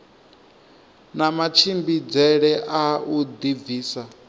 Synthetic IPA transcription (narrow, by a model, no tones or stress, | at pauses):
namat͡ʃʰimbid͡zɛɺɛʔaud̪iviːsa